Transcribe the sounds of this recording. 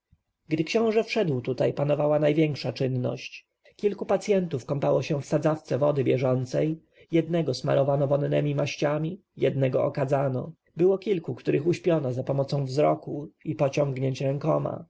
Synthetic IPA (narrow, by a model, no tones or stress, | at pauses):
ɡd̪ɘkɕɔ̃w̃ʐɛfʂɛd̪wt̪ut̪ajpanɔvawanajvʲjɛŋkʂat͡ʂɘnːɔ̰ɕt͡ɕ | kʲilkupat̪sʲjɛnt̪ufkɔmpawɔɕɛ̃fsad̪zaft̪sɛvɔd̪ɘbʲjɛʐɔnt̪sɛj | jɛd̪nɛɡɔsma̰ɾʔɔvanɔvɔnːɛmʲimaɕt͡ɕamʲi | jɛd̪nɛɡɔʔɔkad̪zanɔ̰ | bɘwɔkʲilkukt̪uɾʔɘxuɕpʲjɔnɔzapɔmɔt̪sɔ̃w̃vzɾɔkuipɔt͡ɕɔŋɡɲeɲt͡ɕɾɛŋkɔma̰